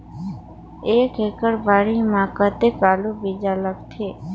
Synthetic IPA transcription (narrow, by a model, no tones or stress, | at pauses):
ekekəɽbʱaːɽ̃imãkət̪ekaːlubid͡ʒaləkt̪ʰeː